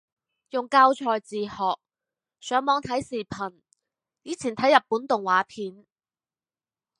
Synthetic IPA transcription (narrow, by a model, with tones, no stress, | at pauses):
jʊ˨ŋkaː˧wt͡ʃʰɔː˨jt͡siː˨hɔː˨˩k̚ | sœː˨˥ŋmɔː˨˥ŋt̪ʰɐ˨˥jsiː˨˩pʰɐ˨˩n | jiː˨˥t͡sʰiː˨˩nt̪ʰɐ˨˥jːɐ˨˩p̚ːuː˨˥nt̪ʊ˨ŋwaː˨˥pʰiː˨˥n